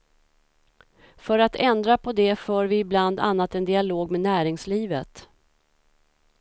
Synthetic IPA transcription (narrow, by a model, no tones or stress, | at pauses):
fœɾat̪ʰɛnd̪ɾapʰɔd̪ɛfœːɾvɪːbland̪a̰nːat̪ɛnd̪ɪaloːɡmɛnæːɾɪŋsliːvə̰t̪